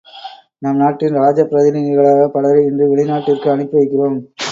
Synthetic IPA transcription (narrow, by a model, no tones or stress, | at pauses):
nɐmnaːʈːɪnɾaːd͡ʒɐpːɪɾɐðɪnɪɐɣɐɭaːɣɐpɐɽɐɐɾɐɪndrɯʋɛɭɪnaːʈːɪrkɯɐɳɯpːɯʋɐɪkːɪroːm